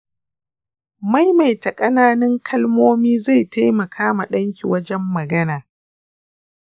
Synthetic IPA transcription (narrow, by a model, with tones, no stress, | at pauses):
ma˦jma˨jtɐ˨kʼɐ˦naː˦nɪ˦ŋkʰɐ˦lmoː˦miː˦za˦˨jta˦jmɐ˨kʰaː˦ma˨ɗɐ˦ŋkʲi˨wɐ˦d͡ʒɛ˦mːɐ˨ɡɐ˦naː˨